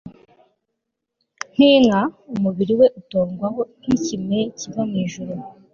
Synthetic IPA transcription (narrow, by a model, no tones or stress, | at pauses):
n̥iːŋaumuβiɾiwe̞ʔuto̞ːŋɡwaɦo̞nicime̞civamiːʒuɾo